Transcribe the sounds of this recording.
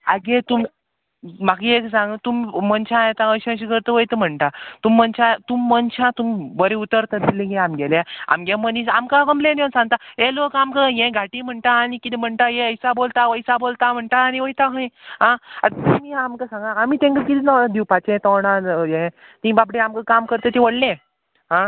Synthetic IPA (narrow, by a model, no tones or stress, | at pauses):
aɡet̪um | maɡieksãŋɡət̪umːənt͡ɕʰãjet̪ãəɕə̃ɕikəɾt̪əʋəjt̪əm̤əɳʈat̪umːənt͡ɕat̪umːənɕʰãt̪umibəɾeut̪əɾt̪ad̪ilẽɡeamɡɛlaa̰mɡẽmənisamkãkəmblẽnə̃nsãŋɡ̚t̪aelokamkəjẽɡʱaʈim̤əɳʈ̪aːnikit̪ɛm̤əɳʈajeəjsabolt̪aʋəjsabolt̪am̤əɳʈaːniʋəjt̪aɦə̃j̃ɦãat̪t̪umiamkasãŋɡaːmit̪ẽŋkək̪ilinad̪ʱiwpat͡ɕẽt̪ɔwɽãjẽt̪ĩbabɽeamkəkamkəɾt̪ət̪ĩʋəɽlẽ | ɦã